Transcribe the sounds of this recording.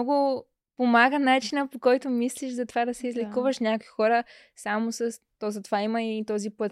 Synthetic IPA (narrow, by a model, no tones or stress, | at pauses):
ɔɡʊ | pomaɡənat͡ʃinəpokɔjt̪ʊmisliʃzɐt̪ovad̪ɐsɛizlɛkuvəʃnʲakoixɔɾə | samosɐs | t̪ɔzɐt̪ovaimɐit̪ɔzipət̪